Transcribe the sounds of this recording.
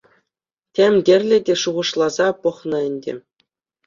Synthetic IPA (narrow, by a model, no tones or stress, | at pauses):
tʲemʲdʲĕrʲlʲɘ̆dʲeʂuʁɤ̆ʂlˠɑzɑpɤ̆χnɤ̆ɘ̆nʲdʲḛ̆